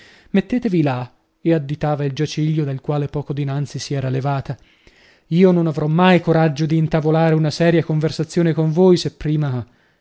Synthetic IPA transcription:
met̪ːeːt̪evila | ead̪ːit̪aːvaild͡ʒat͡ʃiʎːod̪alkwaːlepɔːkod̪inant̪sisiɛːɾalevaːt̪a | iːononavɾɔmːajkoɾad͡ʒːod̪iːnt̪avolaːɾeunasɛːɾjakoɱversat̪sːjoːnekoɱvojsepːɾiːma

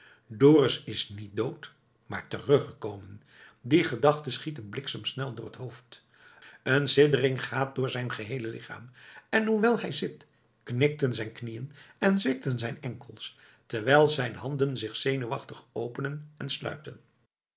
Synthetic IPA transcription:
doːrɪsɪsnit̚dowt | ma̰ːɹtərɵχəkowmən | diχədɑχtəsχitənblɪksamsnɛlˠdʊːɹətɦowft | ʔənsɪdərɪŋχaːt̚dʊːɹzɛjnχəɦejləlɪχa̰ːmɛnɦuʋɛlˠɦɛjzɪt | knɪk̚tənzɛjnknijənɛnzʋɪk̚tənzɛjnɛŋkəlˠs | tɛɹʋɛjlˠzɛjnɦɑndənzɪχsejnuʋɑχtəχowpənənɛnslœ̰ɥtən

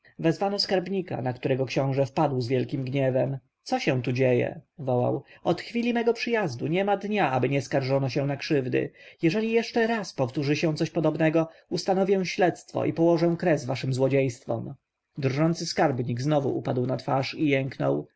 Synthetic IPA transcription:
vɛzvanɔskaɾbɲika̰nakt̪uɾɛɡɔkɕɔ̃w̃ʐɛfpad̪wzvʲjɛlkʲimɡɲɛvɛm | t̪sɔɕɛ̃w̃t̪̬ud͡ʑejɛ̰vɔwa̰wɔt̪xfʲilʲimɛɡɔpʂɘjazd̪uɲɛmad̪ɲaabɘɲɛskaɾʐɔnɔɕɛw̃nakʂɘvd̪ɘ̰jɛʐɛlʲijɛʂt͡ʂɛɾaspɔft̪uʐɘɕɛ̃w̃t̪ɔɕpɔd̪ɔbnɛɡɔust̪anɔvʲjɛw̃ɕlɛt̪st̪fɔ̰ʔipɔwɔʐɛw̃kɾɛzvaʂɘmzwɔd͡ʑejst̪fɔ̰m | d̪ɾʐɔnt̪sɘskaɾbɲiɡznɔvuʔupad̪wnat̪faʂijɛŋknɔ̰w

